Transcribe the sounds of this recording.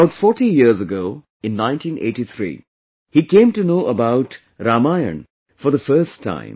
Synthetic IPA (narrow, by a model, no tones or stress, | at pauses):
aʊtfɔɾʈijiəɾzəɡoː | ɪ̃nːãɪ̃nʈʰĩnʔḛɪʈit̪ʰɾḭː | hikẽːmʈunoːʔəbaʊʈ | ɾamaɪə̰̃n | fɔɾðəfəɾstʰːã̰ɪ̃m